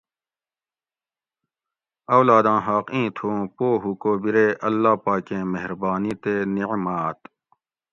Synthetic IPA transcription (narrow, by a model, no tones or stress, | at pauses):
ɐwlaːd̪ãːɦaːqĩːt̪ʰõːpoːɦukoːbiɾeʔɐlːaːpaːkẽmeɦɾbaːnit̪eniʕmaːt̪